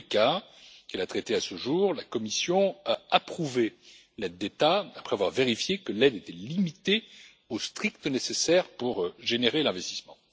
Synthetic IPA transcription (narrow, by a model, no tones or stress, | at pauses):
kakɛlat̪χɛt̪easəʒuːʁlakɔmisjɔ̃aapχuve | lɛd̪̚ːet̪aːpχɛavwaʁveʁifjekəlɛd̪et̪ɛlimit̪e | ost̪χik̚t̪ənesesɛʁpuʁʒeneʁelɛ̃vɛst̪i̥smɑ̃